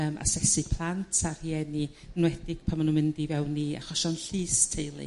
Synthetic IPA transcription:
əːmʔa̰sɛsɨpʰlˠantʰarhiɛni | nwɛdɪɡ̥̚pʰamanunmɪndivɛwnːia̰χɔʃɔnɬiːstʰejlˠḭ

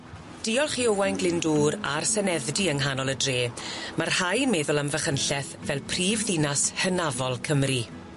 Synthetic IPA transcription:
d̥iɔlˠχiowajnɡlɪnduːɾa̰rsɛnɛðdiəŋɦanɔlˠədreːmarhajnmɛðʊlˠamvəχənɬɛθvɛlˠpʰriːvðɪnashənavɔlˠkʰəmri

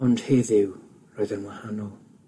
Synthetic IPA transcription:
ɔnd̥heːðɪw | roːɨðənwahanɔlˠ

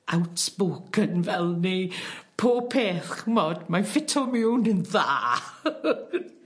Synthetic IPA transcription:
awtb̥oːkʰənvɛlˠnepʰoːpʰeːθχəmɔdmafɪtʰɔmɪwnənðaː

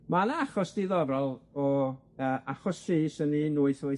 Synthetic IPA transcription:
manaaχɔsd̥iðɔvralˠɔ | əːʔaχɔsʃisəninʊːɨθʊ

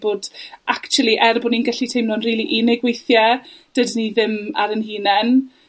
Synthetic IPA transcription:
boːdʔakt͡ʃʰuʊlˠiʔɛrbʊninɡəɬitʰejmnɔnriːlˠiʔinɛɡwejθjɛd̥ədniðɪma̰ɾənhiːnɛn

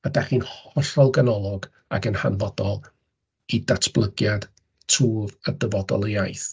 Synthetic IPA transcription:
adaχiːnhɔɬɔlˠɡanɔlˠɔɡ | a̰ɡənha̰nvɔd̥ɔlˠ | idatʰb̥lˠəɡjad̥ | tʰruːvədəvɔdɔ̰lˠəjaɨjθ

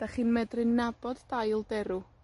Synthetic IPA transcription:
d̥aχiːnmɛdrɪnːabɔdːajlˠdɛɾʊ

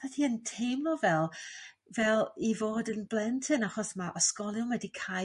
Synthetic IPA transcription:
atʰiəntʰejmlˠɔvɛlˠ | vɛlˠivoːdənblˠɛntʰɨnaχɔsmaʔɔskɔlˠjʊmwɛdikʰa

